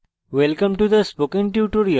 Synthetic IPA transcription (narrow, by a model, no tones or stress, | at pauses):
ʋɛlkə̃mʈud̪əspokɪ̃ŋʈjuːʈoɾio